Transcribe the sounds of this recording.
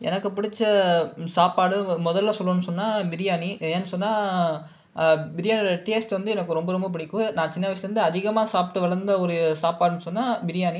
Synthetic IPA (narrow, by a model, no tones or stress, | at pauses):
ʔɛ̰nɐkːɯpʊɽɪt͡ʃːɐsaːpːaːɽɯmʊðɐlːasɔlːõːnːɯsɔnːaːbɪɾɪjaːniɛnːɯsɔnːaː | bɪɾɪjaːnɽɐʈeːsʈʋɐnd̪ɯɛnɐkːɯɾɔmbɐɾɔmbɐp̬ɪɽɪkːʊ̃nãːt͡ʃɪnːɐʋɐsɪlɐɾɯnd̪ɯɐðɪɣɐmaːsaːp̚ʈːɯʋɐɭɐɾnd̪ɐɔɾɯsaːpaːɽɯnɯsɔnːaːbɪɾɪjaːni